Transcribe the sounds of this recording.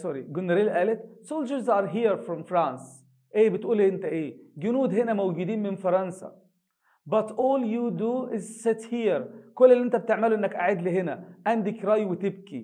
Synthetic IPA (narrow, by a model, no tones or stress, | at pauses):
sɔɾiɡʊnːaɾiːlʔæːlɪt̪soːld͡ʒəɾzɑːɾɦiːɾfɾɔmfɾãːns | ʔeːbɪt̪ʔuːliʔɪnt̪æʔeːɡʊnuːd̪ɦhɪnæmawɡuːd̪iːnmɪnfɑɾˤɑnsa̰ | bɑt̪ʔoːljud̪uʔɪzsɪt̪hiːɾkʊlːɪliʔɪnt̪æb̚t̪ɪʕmæluʔɪnːækʔaʕeːd̪lɪɦɪnæʔænd̪ɪkɾˤɑjwɪt̪ɪb̚ki